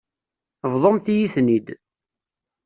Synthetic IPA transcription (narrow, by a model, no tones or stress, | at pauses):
vðˤomθijiθnid̪